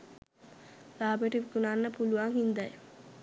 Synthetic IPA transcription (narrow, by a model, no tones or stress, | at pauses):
laːbəʈəʋikunanːəpuluʋaŋhind̪aj